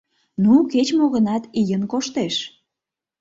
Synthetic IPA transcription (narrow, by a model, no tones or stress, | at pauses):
nuket͡ɕmoɣənɑt̪ijənkoʃt̪eʃ